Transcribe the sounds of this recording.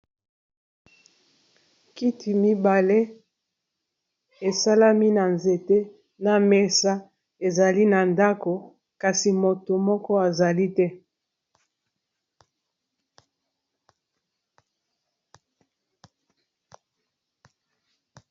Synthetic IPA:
ki˦tʰi˨mi˦ba˨le˦ | e˨sa˦la˦mi˦na˨nze˨te˦ | na˨me˨sa˦ | e˨za˨li˦na˨nda˦ko˨ | ka˨si˨mo˨to˨mɔ˦kɔ˦a˨za˨li˦tɛ˦

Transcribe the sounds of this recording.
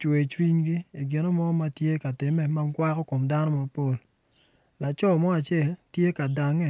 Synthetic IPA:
t͡ʃwe˨t͡ʃwi˦ɲɡi˦i˨ɡɪ˨no˦mɔ˦ma˦tje˦ka˨tɪ˨mɛ˦ma˦ŋkwa˦kɔ˦ko˨mda˦nɔ˦ma˨po˦˨l | la˨t͡ʃɔ˦˨mɔ˦a˨t͡ʃe˦˨ltje˦ka˨da˨ŋɛ˦˨

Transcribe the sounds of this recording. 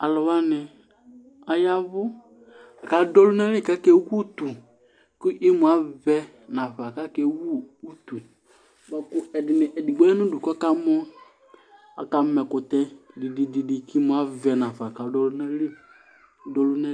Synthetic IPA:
a˨lɔ˨wa˦nɪ˨ | a˨ja˦vʊ˦ | a˨ka˨dɔ˦lʊ˦nɛ˦lɪ˦˨ka˦kɛ˦wu˦t̪u˨ | kʊ˦ʔi˦mʊ˨a˨˦vɛ˦ | nã˨fa˨ka˦kɛ˦wu˦u˦tu˨ | ma˨kʊ˦ɛ˨dɪ˨nɪ˨ʔɛ˨di˨ɡ͡bɛ˦nʊ˦du˨ka˦ka˦mɔ˦ | a̰˨ka˨mɛ˨kʊ˨tɛ˦dɪ˨di˨di˨di˨ki˦mʊ˨a˨˦vɛ˨nã˨fa˨ka˨dɔ˦lʊ˦nɛ˦lɪ˦ | dɔ˨lʊ˦nɛ˦

